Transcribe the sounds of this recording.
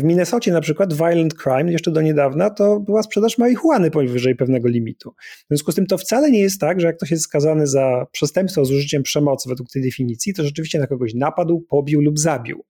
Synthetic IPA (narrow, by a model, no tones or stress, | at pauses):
vmʲinɛsɔt͡ɕɛnapʂɘkwad̪vajlɛnt̪kɾajmjɛʂt͡ʂɛd̪ɔɲɛd̪avnat̪ɔbɘwaspʂɛd̪aʂmawexwanɘpɔvɘʐɛjpɛvn̪ɛɡɔlʲimʲḭt̪ʰuvzvʲjɔ̃skust̪ɘmt̪ɔft̪salɛɲɛjɛst̪ːaɡʐɛjak̚t̪ɔɕ̬jɛst̪skazanɘzapʂɛst̪ɛmpsfɔzuʐɘt͡ɕɛmpʂɛmɔt̪svɛd̪wuk̚t̪ɛjd̪ɛfʲiɲit̪sʲjit̪ɔʐɛt͡ʂɘvʲiɕt͡ɕɛnakɔɡɔɕnapad̪wpɔbʲiwlubzabʲḭw